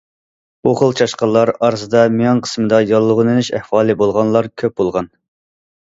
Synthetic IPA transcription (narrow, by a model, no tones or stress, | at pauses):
uχəlˠt͡ʃʰɑʃqɑlˠːɑɾɑɾzɨd̪ɑmejɑŋqʰə̥smɨd̪ɑjɑlˠːʊʁnɨnɪʃæ̰hwɑːlˠɨbolˠʁɑnlˠɑɾkʲʰøp̚bolˠʁɑn